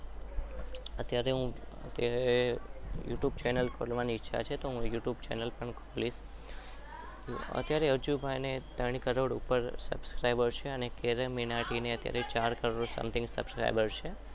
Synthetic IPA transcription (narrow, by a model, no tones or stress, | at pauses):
ət̪jaɾeɦũə̰t̪jaɾejṵʈjub̚t͡ʃɛnəlkʰolmaniɪtːʃʰa̰t͡ʃʰet̪oɦũjuʈjubt͡ʃɛ̰nəlpəɳkʰolis | ə̰t̪jaɾeəd͡ʒubʱajnet̪əɳ̃ikəɾoɽṵpəɾsə̰bskɾajbəɽʃeənekeɾəminaʈineət̪ja̰ɾet͡ʃaɾkəɾoɽsə̰mt̪ʰɪ̃ŋɡsə̰bskɾa̰jbəɾʃe